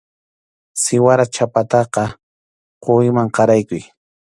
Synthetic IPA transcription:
sɪwaɾat͡ʃapat̪ɑqɑ | qʊjmaŋqɑɾajkʊj

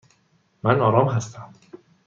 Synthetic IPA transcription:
mænɒːɾɒːmɦæst̪ʰæm

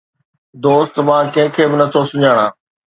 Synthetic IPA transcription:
d̪oːst̪mãːkɐ̃ɦɪ̃kʰeːbɪnɐt̪ʰosʊɲaːɽ̃ãː

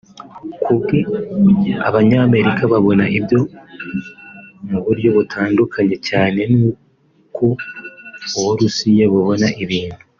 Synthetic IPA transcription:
kʰubɡe | aβaɲaːme̞ɾikaβaβo̞naibjo̞ | muβuɾɟo̞βutʰaːndukʰaɲe̞caːne̞nuː | kʰoː | βuɾusijaβoβo̞naʔiβiːn̥hu

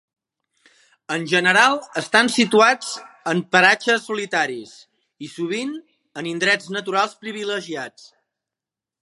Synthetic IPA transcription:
ənʲʒənəɾalˠəst̪ansit̪uad͡z | əmpəɾat͡ʃəsːulit̪aɾis | isuβ̞in | ənind̪ɾɛd͡znət̪uɾalˠspɾiβiləʒiat͡s

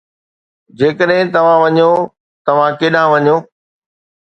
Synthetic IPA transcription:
d͡ʑeːkəɗɦɪ̃t̪ɐʋ̤ãʋɐɲo | t̪ɐʋ̤ãkeːɗãʋɐɲoː

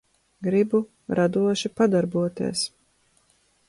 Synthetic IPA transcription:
ɡɾibu | ɾad̪uɔʃipad̪aɾbuɔt̪ḭɛs

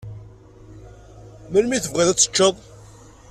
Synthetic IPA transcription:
mælmiθəvʁɪðæt͡sːə̥t͡ʃːəðˤ

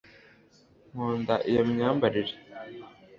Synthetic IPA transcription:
ŋoːndaʔijamɲambaɾiɾi̥

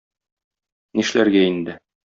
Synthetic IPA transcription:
niʃlæɾɡæind̪ɘ

